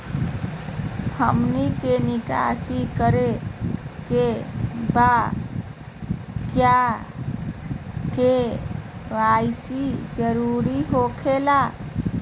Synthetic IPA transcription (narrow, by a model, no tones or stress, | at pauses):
həmnikenika̰sikəɾe | keba | kja | ke | ʋaisid͡ʒəɾuɾiɦokʰela